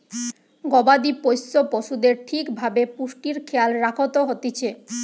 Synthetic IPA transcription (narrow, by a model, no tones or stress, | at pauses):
ɡɔbad̪ipojsːopoʃud̪eɾʈʰikbʱabepuʃʈiɾkʰealɾakʰot̪oɦot̪it͡ɕʰe